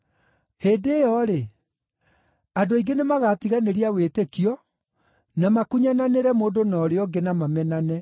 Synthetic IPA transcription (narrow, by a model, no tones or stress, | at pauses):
heːdejɔɾe | adoiɡenemaɣatiɣaneɾiawetekjɔ | namakuɲananeɾɛmoːndonɔɾeɔɡenamamɛnanɛ